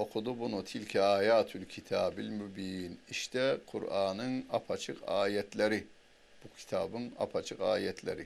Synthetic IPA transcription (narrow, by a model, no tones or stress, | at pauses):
oqʰud̪ubunut̪ʰilkʰiaːjaːt̪ʰulkʲʰit̪ʰɑːbilmubiniʃt̪ɛqʰṵɾʔɑːnɯŋɑpʰɑt͡ʃʰɯqʰɑ̰ːjɛt̪ʰlæɾi | b̥ukʲʰi̥t̪ʰɑ̰ːbɯŋɑ̰pʰɑt͡ʃʰɯqɑ̰ːjɛt̪ʰlɛ̰ɾi